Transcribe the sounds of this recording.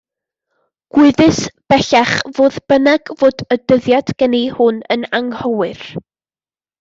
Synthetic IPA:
ɡ̥wɪðɨsb̥ɛɬaχvoːðb̥ənaɡvoːdədəðjad̥ɡ̥ɛnihʊnə̰naŋhɔwɨr

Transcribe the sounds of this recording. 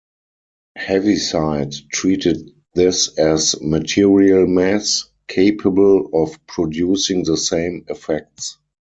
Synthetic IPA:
hɛvisaɪttʰɹiːtɪt̚ | ðɪsɛzmətʰiɹiəlmæs | kʰeɪpʰəbəlɔfpʰɹɔdjuːsɪ̃ŋðəsẽɪ̃mɛfɛk̚ts

